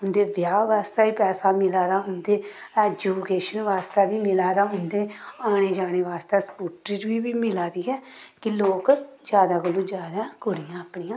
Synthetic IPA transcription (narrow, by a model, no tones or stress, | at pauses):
ɦʊnd̪eːʋjaːʋaːst̪aːiːpɛːsaːmɪlaːd̪aːɦʊnd̪eː | ɛːd͡ʒuːkeːʃənʋaːst̪ɛːbiːmɪlaːd̪aːɦʊnd̪eːaːɽ̃eːd͡ʒaːɽ̃eːʋaːst̪ɛːskuːʈɾiːɾʋiːbiːmɪlaːd̪iːɦɛːkɪloːkd͡ʒjaːd̪aːɡəluːd͡ʒjaːd̪akʊɽijãːəpɳiːãː